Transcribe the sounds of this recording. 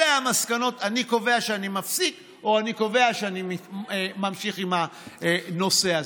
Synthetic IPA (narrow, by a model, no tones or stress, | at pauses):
eamaskano̞taniko̞ve̞aʃeanimafsik | o̞aniko̞ve̞aʃeanimimamʃiχimha | no̞se̞a